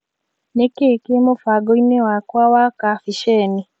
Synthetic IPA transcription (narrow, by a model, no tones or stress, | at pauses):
nekekemofaɡoinewakwawakafiʃɛni